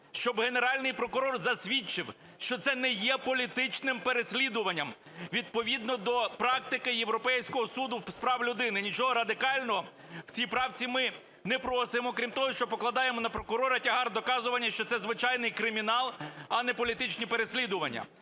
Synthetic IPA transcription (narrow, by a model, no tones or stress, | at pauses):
ʃt͡ʃɔbɦe̞ne̞ɾɑlʲnɪjpɾɔkʊɾɔrzɐsʲʋʲit͡ʃɪw | ʃt͡ʃɔt̪sɛnɛjɛpɔlʲit̪ɪt͡ʃnɪmpeɾesʲlʲid̪ʊʋɐnʲːɐm | ʋʲid̪̚pɔʋʲid̪nɔd̪ɔpɾɑkt̪ɪkɪjewɾɔpɛjsʲkɔɦɔsud̪ʊspɾɑwlʲʊd̪ɪnɪnʲit͡ʃɔɦɔɾɐd̪ɪkɑlʲnɔɦɔ | w̥t͡sʲijpɾɑwt͡sʲimɪ | nɛpɾɔsɪmɔkɾʲimt̪ɔɦɔʃt͡ʃɔpɔklˠɐd̪ɑjemɔnɐpɾɔkʊɾɔɾɐtʲɐɦɑrd̪ɔkɑzʊʋɐnʲːɐʃt͡ʃɔt̪sɛzʋɪt͡ʃɑjnɪjkɾɪmʲinɑlˠɐnɛpɔlʲit̪ɪt͡ʃnʲipeɾesʲlʲid̪ʊʋɐnʲːɐ̰